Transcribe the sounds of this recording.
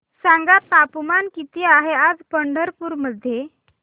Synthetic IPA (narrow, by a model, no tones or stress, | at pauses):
saŋɡat̪ːapmankit̪iaɦead͡zpəɳɖəɾpuɾməd̪ʱːje